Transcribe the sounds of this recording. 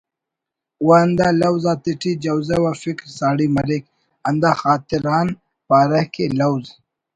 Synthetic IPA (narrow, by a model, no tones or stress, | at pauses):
waːnd̪alɐwzat̪iʈid͡ʒɐwzewafikɾsaːɽimɐɾik | ɐnd̪axaːt̪iɾaːn | paːɾɐhkelawz